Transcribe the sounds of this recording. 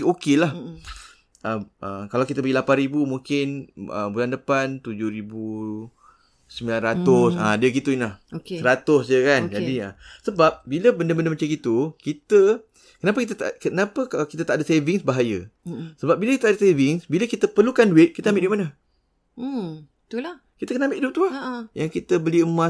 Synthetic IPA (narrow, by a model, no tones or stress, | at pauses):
okelah | ʔəʔəkalawkit̪əbəɡilapanɾibumuŋkɪnə̰bulandəpant̪ud͡ʒʊhɾibu | səmbilanrɾat̪ʊsadiəkit̪uinlahoksəɾat̪ʊsd͡ʒəkand͡ʒadiəsəbap̚biləbəndəbəndəmət͡ʃakit̪ukit̪ə | kənapəkit̪̬ət̪a̰kənapəkalakit̪at̪aʔdaseviŋsbaɦajə̰səbap̚biləkit̪aadasevɪŋsbiləkit̪əpərlukanduɪt̪̚kit̪əambɪʔduiʔmanə | t̪ula | kit̪əkənãmbɪʔd̪ut̪uahjaŋkit̪əbəliəmã